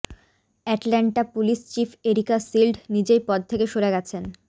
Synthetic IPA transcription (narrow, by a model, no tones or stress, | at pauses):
ɛʈlɛɳʈapuliʃt͡ɕifʰeɾikasilɖnid͡ʑejpɔd̪̚t̪ʰekeʃoɾeɡɛt͡ɕʰen